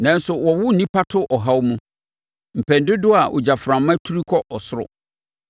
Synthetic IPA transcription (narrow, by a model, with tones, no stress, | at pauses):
nã˨n˦sʊ˨wɔ˨wʊ˦n̩˨nĩ˦pʰa˦tʰʊ˦ʔɔ˨ɦa˦wmũ˦ | m̩˨pʰɛ̃˨n˨dɪ˦dʊ˦a˨ʔʊ̰˨d͡ʑa˨fɾã˨˦mã˦tʰu˦ɾi˦kʰɔ˦ʔɔ˨sʊ˦ɾʊ̰˨